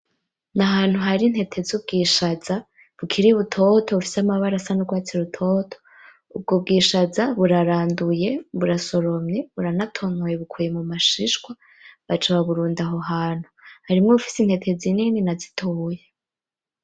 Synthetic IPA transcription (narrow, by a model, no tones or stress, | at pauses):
naɦaːn̥huɦaɾinhe̞tʰe̞zub̚ɡiːʃaza | βukʰiɾiβutʰo̞tʰo̞βufi̥samaβaɾasanoɡwaːt͡siɾutʰo̞tʰo̥ | ub̚ɡob̚ɡiʃazaβuɾaɾaːnduje̞βuɾaso̞ɾo̞mɲeβuɾanatʰonojeβukʰuje̞mumaʃiʃɡwa | βat͡ʃaβaβuɾuːndaɦoɦaːn̥huhaɾimŋeβufi̥sin̥he̞tʰezinininazi̥tʰoje